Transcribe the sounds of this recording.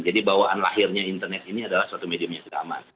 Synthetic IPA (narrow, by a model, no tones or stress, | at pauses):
d͡ʒadibawaanla̰ɦɪrɲaint̪ərnɛt̪̚iniadalahsuat̪umediamɲaŋsədaa̰ma̰n